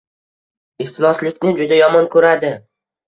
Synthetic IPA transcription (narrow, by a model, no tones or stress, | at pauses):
ɪft̪ʰɪnɒslɪkʲnɪd͡ʒʊd̪ajɒmɒnkʰɵɾad̪ɪ